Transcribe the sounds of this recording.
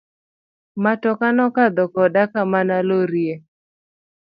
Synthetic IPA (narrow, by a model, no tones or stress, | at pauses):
matɔkanɔkad̪ɔkɔdakamanaloɾje